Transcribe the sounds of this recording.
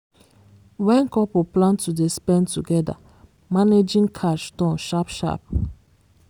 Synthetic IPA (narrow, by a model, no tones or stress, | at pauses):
wɛ̃nkɔpoplãntudespɛ̃ntuɡɛda̰ | maned͡ʒĩŋkʰaʃtɔ̃nʃapʃa̰p̚